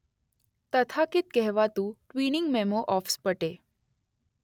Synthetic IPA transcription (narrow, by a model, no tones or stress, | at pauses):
t̪ət̪ʰakɪt̪̚kɛɦʋat̪ũʈʋinɪŋɡmemoʔɔfspəʈe